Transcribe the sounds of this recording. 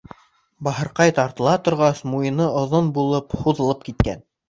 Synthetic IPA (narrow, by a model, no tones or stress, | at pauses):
bɑɦɤ̆ɾqɑjt̪ɑɾt̪ɤ̆lˠɑt̪ŏɾʁɑsmujɤ̆nɤʔŏðonbulˠɤphuðɤ̆lˠɤp̚kit̪kæ̰n